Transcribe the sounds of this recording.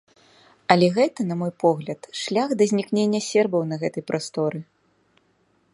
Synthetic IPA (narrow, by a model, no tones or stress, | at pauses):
ɐlʲɛɣɛt̪ɐnɐmɔjpɔɣlʲɐt̪ʂlʲaɣd̪ɐzʲnʲiknʲenʲːɐsʲɛrbɐwnɐɣɛt̪ɐjpɾast̪ɔɾɨ